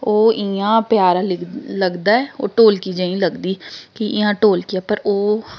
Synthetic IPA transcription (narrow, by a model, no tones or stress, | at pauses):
oːʔɪãːpjaːɾaːlləɡd̪aːɛːo̰ːʈoːlkiːd͡ʒãːĩːləɡd̪iːkɪɪjãːʈoːlkɪaːpəɾoː